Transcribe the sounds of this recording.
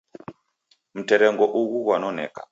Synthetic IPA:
m̩teɾeŋɡoʔuwuwanonḛːkḁ̰

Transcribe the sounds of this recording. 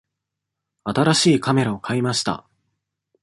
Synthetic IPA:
at̪aɾaɕiːkame̞ɾao̞kʰaimaɕi̥t̪a̰

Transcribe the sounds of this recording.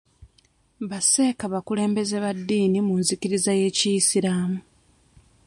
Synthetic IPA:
βase̞ːkaβakule̞ːmbe̞ze̞βadːiːnimunziciɾizaje̞ːcisiɾaːmu

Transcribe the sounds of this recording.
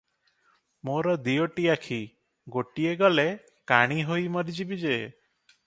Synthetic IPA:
moɾɔd̪ijoʈiakʰi | ɡoʈieɡɔle | kaɽ̃iɦojmɔɾid͡ʒibid͡ʒee

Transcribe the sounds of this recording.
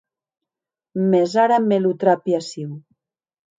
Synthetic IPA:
mezaɾamelut̪ɾapjasiw

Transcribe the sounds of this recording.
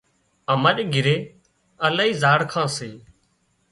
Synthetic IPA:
əməɗɡɪɾeː | əlaːiːzaːɽkʰãːseː

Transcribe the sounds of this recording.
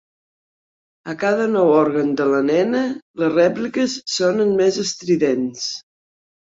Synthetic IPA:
əkaðənɔwɔɾɣənd̪ələnɛnələzrɛplikəsːonənmezəst̪ɾiðens

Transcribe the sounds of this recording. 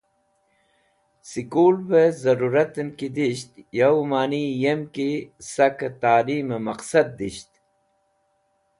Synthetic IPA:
sikuːlbezɐɾuɾɐt̪ənkid̪iɕt̪jɐwmaːnijemkisɐkɐt̪aːliːmemɐqsɐd̪̚ːiɕt̪

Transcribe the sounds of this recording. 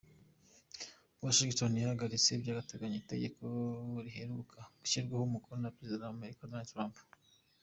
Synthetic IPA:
waʃiɡit͡ʃonihaɡaɾit͡sebjaːɡateɡaɲoite̞̰ɡe̞kʰoɾiɦe̞ɾukʰaɡuʃiɾɡwahumukuɾonapɾezidadaame̞ɾikadonaldtɾamp

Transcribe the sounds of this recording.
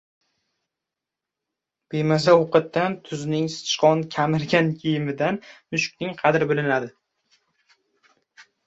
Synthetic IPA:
b̥emazaoqɨt̪̚d̪ːant̪ʰʊznɪŋsɪ̥ʃqɒnkʲʰamɪɾɡʲankʲʰejɪmɪd̪anmʊʃk̚ʲnɪŋqʰɑd̪ɪɾbɪlɪnad̪ɪ

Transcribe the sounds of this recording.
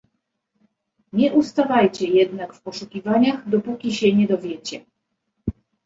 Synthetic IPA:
ɲɛʔust̪avajt͡ɕɛjɛd̪nakfpɔʂukʲivaɲaxd̪ɔpukʲiɕɛɲɛd̪ɔvʲjɛt͡ɕɛ

